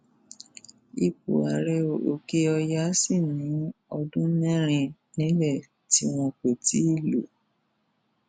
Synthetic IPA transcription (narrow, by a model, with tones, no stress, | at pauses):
i˧pu˨a˨ɾɛ˧o˨o̰˨ke˧ɔ˧ja˦si˦˨nĩ˨˦ɔ˧dũ˦nɛ̃˦ɾ̃ĩ˧ | nĩ˨˦lɛ˦˨ | ti˨˦w̃ɔ̃˧k͡po˨ti˨˦i˦˨lo̰˨